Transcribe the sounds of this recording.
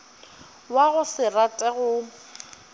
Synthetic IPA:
waɣʊsɪratʼɛɣʊ

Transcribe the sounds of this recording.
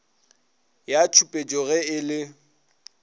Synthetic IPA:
jat͡ʃʰupʼet͡ʃʼɔɣɛɪlɪ

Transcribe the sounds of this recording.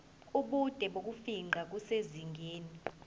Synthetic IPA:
uɓud̥ʼʱɛɓok̬ufiŋ͡ǃʱak̬useziŋɡʱeːni

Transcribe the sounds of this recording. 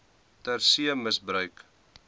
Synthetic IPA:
tærsiəməsbɾœɥk

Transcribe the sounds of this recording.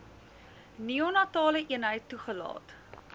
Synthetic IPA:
nionɑtɑːləʔiənɦəjtːuχəlɑ̰ːt

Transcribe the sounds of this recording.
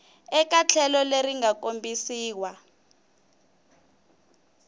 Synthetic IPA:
ɛk̬ʼat͡ɬʰɛlɔleɾiŋak̬ombisiːwa

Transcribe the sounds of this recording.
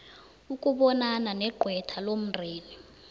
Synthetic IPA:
ukʼuɓɔnananɛɡ͡ǃʱwɛtʰalom̩rʱeːni

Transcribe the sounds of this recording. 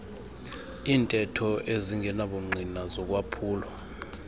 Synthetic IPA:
iːntʼɛtʰɔʔeziŋɡʱɛnaɓuŋ͡ǀʱinazɔk̬ʼwapʰuːlɔ

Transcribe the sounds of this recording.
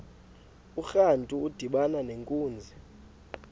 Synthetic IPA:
uxantʼuːd̥ʱiɓananeŋkʼuːnd͡zʱi

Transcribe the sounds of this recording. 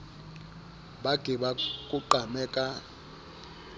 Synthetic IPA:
ɓaɡ̥ʱiɓakʼuǃamɛːkʼa

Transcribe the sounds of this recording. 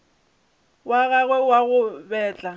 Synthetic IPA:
waɣaɣwɛwaɣʊbɛːt͡ɬʼa

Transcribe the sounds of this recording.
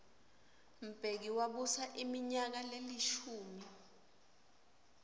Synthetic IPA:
m̩b̥ʱek̬iwaɓusaʔimiɲak̬aleliʃuːmi

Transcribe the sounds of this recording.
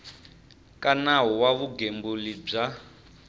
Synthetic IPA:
kʼanaɦɔwaβuɡembulib͡ʐa

